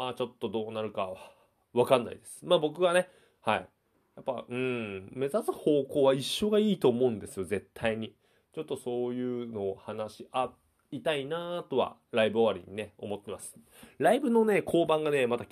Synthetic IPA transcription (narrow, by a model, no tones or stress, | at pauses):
maːt͡ɕo̞t̪ːo̞d̪o̞ːnaɾɯ̟kaa | βakãnːa̰id̪e̞sɨ̥maːbo̞kɯ̟ɡane̞ | haḭ | japːaɯ̟̃ɴme̞zat͡sɨho̞ːko̞ːβaiɕːo̞ɡaiːt̪o̞ːmo̞ɯ̟̃nd̪e̞sɨjo̞ze̞t̪ʰːaiɲ̟i | t͡ɕo̞t̪ːo̞so̞ːjɯ̟ːno̞ːhanaɕiʔa | it̪ainaːt̪o̞βa̰ɾaibɯoβaɾʲḭɲ̟ine̞o̞̰mo̞t̪ːe̞masɨ̥ | ɾaibɯ̟no̞ne̞kʰo̞ːbãŋɡane̞mat̪a